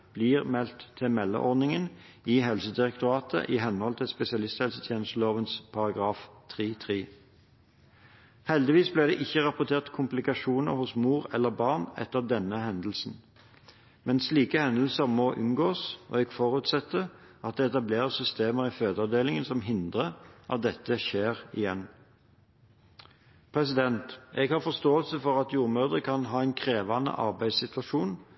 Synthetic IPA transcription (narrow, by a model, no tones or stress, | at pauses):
b̥liːʁmɛlt̪ʰːɪmɛlːə̰ʔɔnɪŋən | ɪɦɛlsəd̪ɪʁɛk̚t̪ʊʁɑːt̪ʰə̰ʔɪɦɛnːəhɔlt̪ʰɪlspɛsɪɑlɪst̪hɛlsət̪ʰjeːnəst̪loːʋənspʰɑʁɑɡʁɑːft̪ʰʁiːt̪ʰʁiː | hɛld̪ɪʋiːsblɪːʁd̪ɛ̰ːʔɪçːəʁɑpʊt̪ʰeːʁt̪kʰʊmplɪkɑʃuːnə̰ʁhʊsmuːʁɛlːəʁbɑʁnɛ̰t̪ːəʁd̪ɛnːəhɛnd̪l̩sn̩ | mɛnsliːkəhɛnd̪l̩səʁmɔʔʉnɡoːsɔ̰ɛɡfɔʁʉːt̪sɛt̪ːə | ʔɑt̪̚d̪ɛɛt̪ɑbleːʁəsʏst̪eːməʁɪføːd̪əɑʋd̪eːlɪŋənsɔmɦɪnd̪ʁəʔɑ̰t̪̚d̪ɛt̪ːəʃeːʁɪjɛnː | pʰʁɛsɪd̪ɛnt̪ʔɛɡhɑfɔst̪oːəlsəfɔʁɑt̪juːʁmœʁd̪ʁəkʰɑnɦɑːæɪnkʰʁeːʋɑnə̰ʔɑ̰ʁbæɪd̪sɪt̪ʋɑʂuːn